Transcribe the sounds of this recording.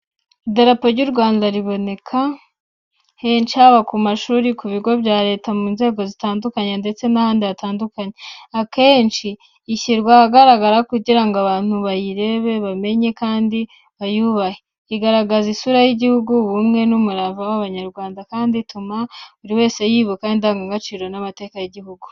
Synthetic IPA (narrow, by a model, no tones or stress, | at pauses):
ideɾapo̞ɾɟuɾɡwaːndaɾiβo̞ne̞kʰa | he̞ːnt͡ʃihaβakumaʃuːɾikuβiɡo̞βjaːɾe̞ːtamuːnze̞ːɡo̞zitaːndukaɲende̞t͡se̞nahaːndiatʰaːndukaɲeake̞ːnt͡ʃiː | çiɾɡwahaɡaɾaɡaɾakuɟiɾaŋɡoaβaːn̥uβajiɾe̞βe̞βame̞ɲe̞kaːndi | βajuβahe | iɡaɾaɡazisuɾajiɟihuɡuβumŋe̞numuɾavawaβaɲaɾɡwaːndakaːnditʰumauɾiwe̞ːse̞jiːβukaindaːŋɡaŋɡat͡ʃiːɾo̞namate̞ːkajiɟihuɡu